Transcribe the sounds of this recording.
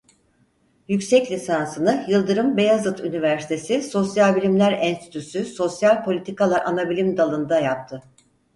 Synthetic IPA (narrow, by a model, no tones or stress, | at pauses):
jycsɛclʲisansɯnɯjɯlˠd̪ɯɾɯmbe̞jazɯt̪ʰynivæɾsi̥t̪ʰe̞siso̞sjalʲbilʲimlʲæɾɛnst̪ʰi̥t̪ʰysyso̞sjalʲpʰo̞lʲit̪ʰikalˠaʔanabilʲimd̪alˠɯnd̪ajap̚t̪ʰɯ